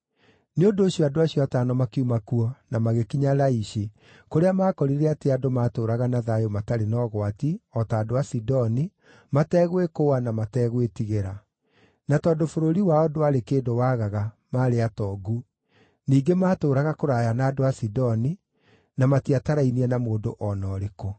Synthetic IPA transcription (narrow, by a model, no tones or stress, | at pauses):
neondoːɕiɔadoaɕjɔataːnɔmakiumakuɔnamaɣekiɲalaiɕe | koɾeamaːkɔɾiɾeateadomaːtoːɾaɣanaðajomataɾenɔɣwatiɔtaːdoasidɔni | matɛːɣwekowanamatɛːɣwetiɣeɾa | natɔːdofoɾoɾiwaɔdoaɾekeːdowaɣaɣa | maːɾeatɔɡu | niːɡemaːtoːɾaɣakoɾajanaːdoasidɔni | namatiataɾainiɛnamoːndoʔɔnɔːɾeko